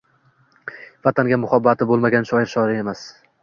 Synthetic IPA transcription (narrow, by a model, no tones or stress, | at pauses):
vat̪ʰaŋɡʲamʊχɒbːat̪ʰɪbolˠmaɡʲanʃɒjɪɾʃɒɾɪe̞mas